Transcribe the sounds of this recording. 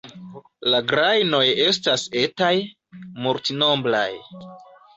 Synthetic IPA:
laɡɾajno̞je̞s̬tase̞taj | muɾtino̞mbla̰j

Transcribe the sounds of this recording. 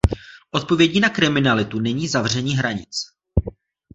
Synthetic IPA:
ʔo̞t̪̚po̞vjɛɟiːnakɾɪmɪnalɪt̪unɛɲiːzavr̝ɛɲiːɦɾaɲɪt͡s

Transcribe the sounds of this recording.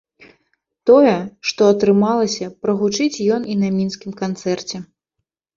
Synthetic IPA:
t̪ɔjɛʂt̪ɔɐt̪ɾɨmalˠɐsʲɐpɾɐɣut͡ʂɨt͡sʲjɔninɐmʲinskʲimkant̪sɛrt͡sʲɛ

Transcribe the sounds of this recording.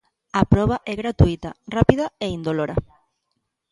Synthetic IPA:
apɾɔβ̞aʔɛɣɾat̪uit̪ɐrapiðɐeind̪oloɾa̰

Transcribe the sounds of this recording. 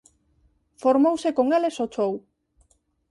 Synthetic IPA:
foɾmowsekoŋelesot͡sow

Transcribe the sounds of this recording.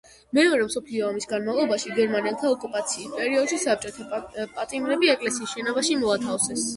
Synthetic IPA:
mɛɔɾɛmsɔpʰliɔːmisɡanmalˠɔbaʃiɡɛɾmanɛlˠt̪ʰaɔkʼupʼat̪sʰiːspʼɛɾiɔd̪̥ʃisap̚t͡ʃʼɔt̪ʰapʼat̪ʼimɾɛbiɛkʼlɛsiːsʃɛnɔbaʃimɔat̪ʰafsɛs

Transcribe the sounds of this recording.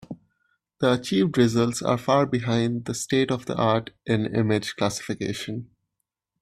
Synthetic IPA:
d̪̥əət͡ʃiːʋɖɾɪzəlʈsa̰ːɾfaːɾbɪɦãɪ̃nɖ̚d̪əsʈeːʈɔʋd̪ə̰ʔaːɾʈʔɪ̃nɪ̰mɪd͡ʒklæsɪ̥fɪkḛːʃə̃n

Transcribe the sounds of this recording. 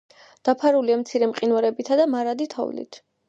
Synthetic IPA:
d̪̥apʰaɾuliamt̪sʰiɾɛmqʼinwaɾɛbit̪ʰad̪amaɾad̪it̪ʰɔ̰vlḭt̪ʰ

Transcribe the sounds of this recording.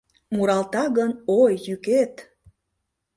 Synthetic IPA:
muɾɑlt̪ɑɣənojːyket̪

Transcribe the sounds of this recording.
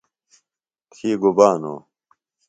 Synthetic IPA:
tʰiːɡubaːno̰ː

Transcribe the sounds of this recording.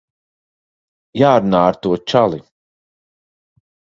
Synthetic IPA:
jaːɾunaːaɾt̪uɔt͡ʃalˠi

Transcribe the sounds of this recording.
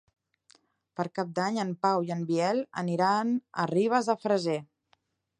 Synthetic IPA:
pəɾkap̚d̪aɲəmpawiəmbiɛlˠə̰niɾanə̰riβ̞əzðəfɾəze

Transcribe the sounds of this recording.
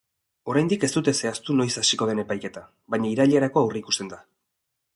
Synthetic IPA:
o̞ɾajnd̪ike̞st̪ut̪e̞se̞ast̪uno̞jsasiko̞ð̞e̞ne̞pajke̞t̪a | βajɲaiɾaʎeeɾako̞awreiku̥st̪e̞nd̪a

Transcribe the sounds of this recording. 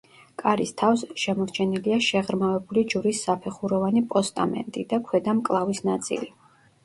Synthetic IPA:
kʼaɾist̪ʰafsʃɛmɔɾt͡ʃʰɛniliaʃɛʁɾmavɛbulid͡ʒuɾisːapʰɛχuɾɔvanipʼɔst̪ʼa̰mɛ̰nt̪ʼid̪akʰwɛd̪amkʼlˠavisnat̪sʼḭli

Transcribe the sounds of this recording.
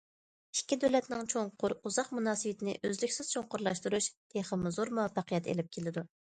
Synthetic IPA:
i̥kʲːid̪ølɛt̪nɪŋt͡ʃʰoŋqʰʊɾuzɑqmunɑːsɨwɪt̪ʰɪnɪ̰ʔøzlykʲsɪz̥t͡ʃʰoŋqʊɾlˠɑʃt̪uɾuʃd̪̥ʰeχəmːɪzoɾmɑpɑqʰəjɛt̪ḛlɪp̚kʲʰelɪd̪u

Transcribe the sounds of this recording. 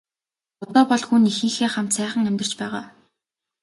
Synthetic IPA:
ʊt̪ɔːpɔɮxunixɘ̆ːŋxeːχam̥t̪sæːχə̆ŋæmʲt̪ɘ̆rt͡ɕpæːʁaː

